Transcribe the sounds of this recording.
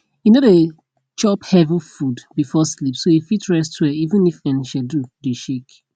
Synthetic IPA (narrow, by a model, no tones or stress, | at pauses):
inode | t͡ʃɔphɛvə̃fudbifɔslipsoifitɹɛstʰwɛivə̃nifɛ̃nʃɛdudeʃek